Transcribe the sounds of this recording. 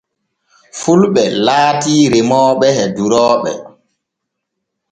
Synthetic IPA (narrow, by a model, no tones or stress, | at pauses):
fulɓɛlaːtiːɾemɔːɓɛhɛduɾɔːɓɛ̰